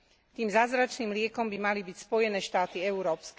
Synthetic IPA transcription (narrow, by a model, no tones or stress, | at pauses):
t̪iːmzaːzɾat͡ʃniːmlɪɛkɔmbimalibicspɔjɛnɛːʃt̪aːt̪iɛuɾɔːpsk